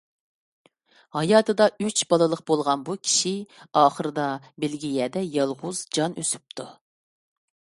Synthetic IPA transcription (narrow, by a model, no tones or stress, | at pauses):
hɑjɑːt̪ʰɨd̪ɑyt͡ʃbɑlˠɨlˠəqbolˠʁɑnbukʲʰi̥ʃiɑːχəɾɨd̪ɑ | bɪlɡʲijɛːd̪ɛjɑlˠʁʊzd͡ʒɑnʔø̰sy̥p̚t̪ʰu